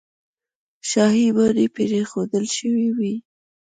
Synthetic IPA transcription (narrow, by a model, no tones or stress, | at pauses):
ʃɑɦibaɾepeɾexod̪əlʃəwiwi